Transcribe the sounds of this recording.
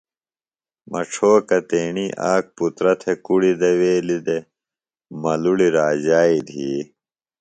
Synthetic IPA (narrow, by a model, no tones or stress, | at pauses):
mɐ̰ʈ͡ʂʰoːkɐt̪eːɳiʔaːk̚put̪ɾɐt̪ʰekuɽid̪eweːlid̪e | mɐluɽiɾaːd͡ʑaːid̪ʱiː